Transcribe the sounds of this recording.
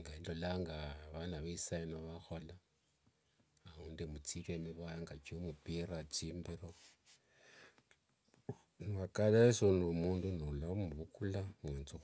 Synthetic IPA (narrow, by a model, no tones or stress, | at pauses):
ŋɡaindolaŋɡaβanaβiisainoβaxola | aundemut͡siβeniβajaŋɡat͡ʃiomupirat͡ʃimbeɾo | nuwakalesonumuːndunulamuβukulamwent͡su